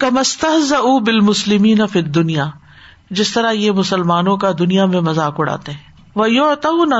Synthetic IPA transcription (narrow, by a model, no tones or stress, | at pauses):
kɐmɐst̪ɐɦzɐʔuːbɪlmʊslɪmiːnɐfiːd̪ːʊnijaː | d͡ʒɪst̪ɐɾajemʊsɐlmaːnõkad̪ʊnijamẽmɐzaːkʊɽa̰ːt̪eɦɛ̃ː | ʋɐjʊʕt̪anɐ